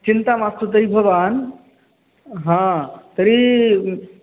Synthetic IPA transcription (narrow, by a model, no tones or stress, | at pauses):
t͡ʃint̪amast̪ut̪̬əɾibʱɐʋan | ɦãt̪əɾi